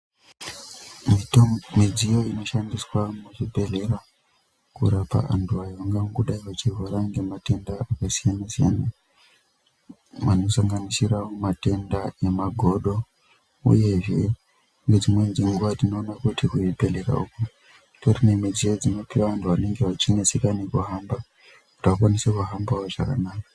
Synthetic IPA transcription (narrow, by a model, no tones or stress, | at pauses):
mid͡zijo̞ino̞ʃandiswamuʐibʱe̞ɮe̞ra | kṵɾapa̰a̰ntʰuajoŋɡamkuɗaiʋat͡ʃivoɾaŋɡe̞mate̞ndaakasijanasija̰na | ʋano̞saŋɡanisiɾaomate̞ndae̞maɡʱo̞ɗo̞ | ṵje̞ʐe̞ | ŋɡe̞d͡zimwe̞nd͡ziŋɡuʋatino̞ːnakutikuipe̞leɾa̰uku | torine̞mid͡zied͡zino̞piʋaantʰuʋane̞ŋɡe̞ʋat͡ʃinesikanekuɦamba | ku̥tak̬wanisekuɦambaoʐa̰ka̰naːka